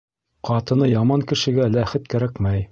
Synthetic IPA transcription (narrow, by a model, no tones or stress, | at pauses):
qʰɑt̪ɤ̆nɤjɑmɑŋkɘ̆ʃɘ̆ɡælæχɘt̪kæɾækmæj